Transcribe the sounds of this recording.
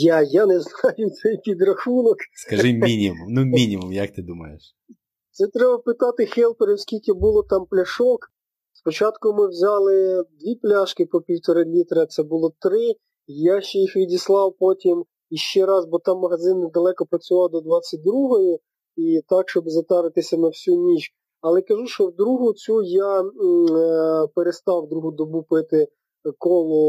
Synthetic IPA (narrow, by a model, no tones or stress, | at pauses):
jajanɛznɑjʊt̪sɛjpʲid̪ɾɐxunɔkskɐʒɪmʲinʲimumnumʲinʲimumjɐk̚t̪ɪd̪umɐ̰jeʃ | t̪sɛt̪ɾɛbɐpɪt̪ɑt̪ɪxɛlˠpeɾɪwsʲkʲilʲkɪbulˠɔt̪ɑmplʲɐʃɔk | spɔt͡ʃɑt̪kʊmɪwzʲɑlˠɪd̪ʋʲiplʲaʃkɪpɔpʲiwt̪ɔɾɐmʲit̪ɾɐsɛbʊlˠɔt̪ɾɪ | jaʃt͡ʃɛjixʋʲidʲislˠɑwpɔtʲim | iʃt͡ʃɛɾɑzbɔt̪ɑmːɐɦɐzɪnːɛd̪ɐlˠɛkɔpɾɐt͡sʲʊʋɑwd̪ɔd̪ʋɑt͡sʲːɐt̚ʲd̪ɾuɦɔjʊ | it̪ɑkʃt͡ʃɔbzɐt̪ɑʋɪt̪ɪsʲɐnɐwsʲunʲit͡ʃ | ɐlˠɛkɐʒuʃt͡ʃɔwd̪ɾuɦʊt͡sʲuja | peɾest̪ɑwd̪ɾuɦʊd̪ɔbupɪt̪ɪ | kɔlˠɔ